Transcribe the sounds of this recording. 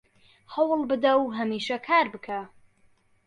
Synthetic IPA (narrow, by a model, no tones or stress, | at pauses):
hɐwlˠbɨd̪ɐwɦɐmiːʃɐkʰaːɾbɨkʰa